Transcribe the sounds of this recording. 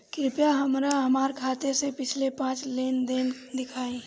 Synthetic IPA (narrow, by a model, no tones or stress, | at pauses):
kɾɪpjaɦəmɾaɦəmaːɾkʰaːt̪esepɪt͡ʃʰlepãːt͡ʃlend̪ɪn | d̪ɪkʰaːẽ